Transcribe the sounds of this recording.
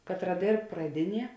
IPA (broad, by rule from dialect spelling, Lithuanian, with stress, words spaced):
ˈkɑːtˌrɐ ˈdʲeːrp prɐˈdʲɪˌnʲiɛ